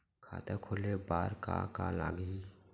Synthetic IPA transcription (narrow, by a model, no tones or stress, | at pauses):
kʰa̰ːt̪ekʰoːlebaːɾka̰ka̰la̰ːɡi